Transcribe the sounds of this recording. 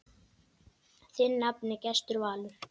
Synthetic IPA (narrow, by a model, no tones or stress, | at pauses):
θɪnːapnɪcɛst̪ʏɾvaːlʏ